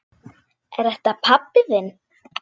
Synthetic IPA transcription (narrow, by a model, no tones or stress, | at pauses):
ɛɾ̥ɛht̪apʰapːɪðɪn